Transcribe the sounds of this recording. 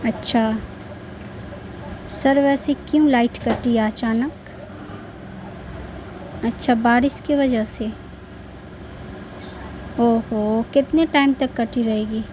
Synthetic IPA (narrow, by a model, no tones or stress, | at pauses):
ɐtːʃʰa | sɐɾʋɛːsekjũlaːɪʈkɐʈiaɐt͡ʃaːnək | ɐtːʃʰabaːɾɪskeʋɐd͡ʒəse | oːɦokɪt̪neʈaːɪmt̪ɐkːɐʈʰiɾɐɦeːɡiː